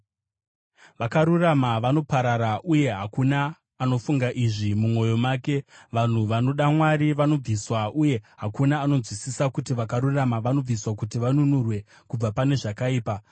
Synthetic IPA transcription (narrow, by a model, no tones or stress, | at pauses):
ʋakaɾuramaʋano̞paɾaɾaʔuje̞ɦakunaː | no̞fuŋɡaʔiʐimumwo̞jo̞maːke̞ʋan̤uʋano̞ɗamwaɾiʋano̞b͡viswaʔuje̞ɦakunaːno̞zwisisakutiʋakaɾuramaʋano̞b͡viswakutiʋanunurwe̞ | kub͡vapane̞ʐakaiːpa